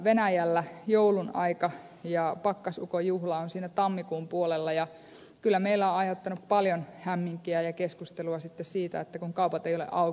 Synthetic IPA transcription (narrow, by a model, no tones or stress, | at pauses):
ʋenæjælːæjoulunɑ̰ikɑ | jɑpɑkːɑsukojuhlɑonsiːnæt̪ɑmːikuːmpuolelːɑjɑ | kylːæmeilːæõɑjot̪ːɑnuppɑljonhæmːiŋkiæjɑkeskust̪eluɑsit̪ːessiːt̪æ̰et̪ːækuŋkɑupɑt̪eijolḛʔɑu